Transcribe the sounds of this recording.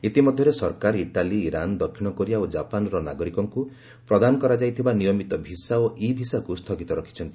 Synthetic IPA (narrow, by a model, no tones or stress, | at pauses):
it̪imɔd̪ʱjɔɾesɔɾkaɾiʈaliːɾand̪ɔkʰːiɽ̃ɔkoɾijaod͡ʒapanɔɾɔnaɡɔɾikɔŋku | pɾɔd̪anɔkɔɾad͡ʒajt̪ʰibanijɔmit̪ɔbʱisaoʔibʱisakust̪ʰɔɡit̪ɔɾɔkʰi̥t͡ʃʰɔnt̪i̥